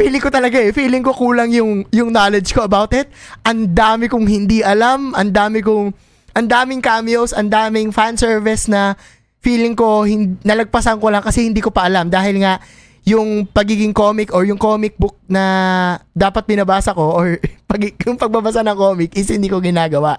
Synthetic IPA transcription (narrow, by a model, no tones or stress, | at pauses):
fiːlɪŋkot̪ɐlɐɡaʔɛfiːlɪŋko̞kuːlɐŋjʊŋjʊŋnaːlɛd͡ʒko̞ʔɐbawt̪ɪt̪̚ʔɐnd̪aːmɪkʊŋhɪnd̪iʔɐlamʔɐnd̪aːmɪkʊŋ | ʔɐnd̪aːmɪŋkaːmɪjowsʔɐnd̪aːmɪŋfansɛɹvɪsnɐ | fiːlɪŋko̞hɪnd̪nɐlɐɡ̚pɐsɐnko̞lɐŋkɐsɛhɪnd̪iːko̞pɐʔɐlamd̪aːhɪlŋaʔ | jʊŋpɐɡiːɡɪŋko̞ːmɪkʔoɹjʊŋkoːmɪk̚bʊk̚nɐd̪aːpɐt̪̚bɪnɐbaːsɐko̞ʔoɹpɐɡjʊŋpɐɡ̚mɐbɐsanɐŋkoːmɪkʔɪshɪnd̪iːko̞ɡɪnaːɡɐwaʔ